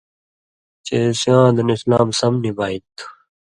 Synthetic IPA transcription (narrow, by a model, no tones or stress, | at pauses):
t͡ɕesjãːd̪ɐnislaːmsɐmnibʱaːit̪ʰ